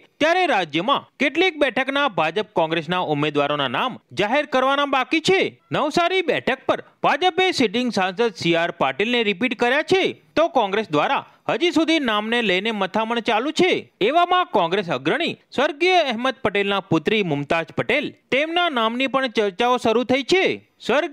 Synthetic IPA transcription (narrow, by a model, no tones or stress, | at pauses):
t̪jaɾeɾad͡ʒjəmãkeʈlek̚bɛʈʰəknabʱad͡ʒəp̚kɔ̃ŋɡɾesnaʊmed̪ʋaɾonanamd͡ʒaɦeɾkəɾʋanabakit͡ʃʰenəʋsaɾibɛʈʰək̚pəɾ | bʱad͡ʒəpesiʈ̬ɪŋɡsãnsəd̪siaɾpaɾʈilneɾipiʈkəɾjat͡ʃʰet̪okɔ̃ŋɡɾesd̪ʋaɾa | həd͡ʒisud̪ʱinamneləjnemət̪ʰaməɳt͡ʃalũt͡ʃʰeeʋamãkɔ̃ŋɡɾes̬əɡɾəɽ̃isʋəɾɡijəɛɦməd̪̚pəʈelnapʊt̪ɾimʊmt̪ad͡ʒpəʈelt̪emnanamnipəɳt͡ʃəɾt͡ʃaoʃəɾut̪ʰəit͡ʃʰe | səɾ